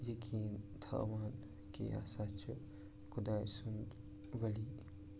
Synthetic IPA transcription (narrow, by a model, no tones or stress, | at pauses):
jɐkʰiːnt̪ʰa̰ːʋaːn | kḛa̰ːsat͡ʃʰu | kʊd̪aːjsun | ʋɐli